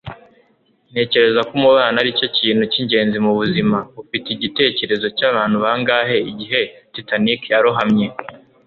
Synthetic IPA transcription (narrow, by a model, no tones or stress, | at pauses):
ne̞ːce̞ɾe̞zakumuβaːnaɾico̞ciːn̥uciɲɟe̞ːnzimuβuzimaβufiteiɟite̞ːce̞ɾe̞zo̞caβaːn̥huβaːŋɡaːɦe̞iɟiɦe̞titanikjaɾoɦamɲe̞